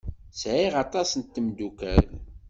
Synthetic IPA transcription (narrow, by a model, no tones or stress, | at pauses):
sʕiʁɑt̪ˤɑsənt̪ːəmd̪ukæl